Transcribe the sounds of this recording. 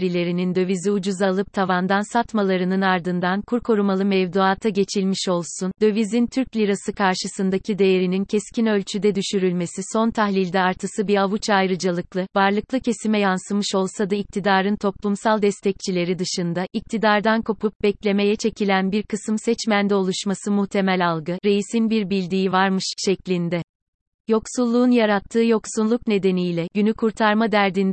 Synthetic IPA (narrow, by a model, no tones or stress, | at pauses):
ɾilʲe̞ɾinind̪ø̞viziud͡ʒuzalˠɯp̚t̪ʰavand̪ansat̪malˠaɾɯnɯnaɾd̪ɯnd̪ankʰuɾkʰo̞ɾumalˠɯmɛvd̪uaːt̪ʰaɟe̞t͡ʃʰilʲmiʃo̞lˠsund̪ø̞vizint̪ʰyɾclʲiɾasɯkʰaɾʃɯsɯnd̪acʰid̪e̞jeɾinincʰɛscʰinø̞lʲt͡ʃʰyd̪ɛd̪yʃyɾylʲme̞siso̞nt̪ʰahlʲilʲd̪ɛaɾt̪ʰɯsɯbiavut͡ʃajɾɯd͡ʒalˠɯklˠɯvaɾlˠɯklˠɯcʰe̞simɛjansɯmɯʃo̞lˠsad̪aic̚t̪ʰid̪aːɾɯnt̪ʰo̞plˠumsalˠd̪ɛst̪ʰɛc̚t͡ʃʰilʲe̞ɾid̪ɯʃɯnd̪aʔic̚t̪ʰid̪aɾd̪ankʰo̞pʰup̚bɛclʲe̞me̞jɛt͡ʃʰe̞cʰilʲænbiɾkʰɯsɯmsɛt͡ʃmænd̪ɛo̞lˠuʃmasɯmuht̪ʰe̞mɛlʲalˠɡɯɾe̞jisinbiɾbilʲd̪iːivaɾmɯʃʃɛclʲind̪ɛ | jo̞ksulˠːuːnjaɾat̪ʰːɯːjo̞ksunlˠuk̚ne̞d̪e̞nijlʲɛɟynykʰuɾt̪ʰaɾmad̪æɾd̪ind̪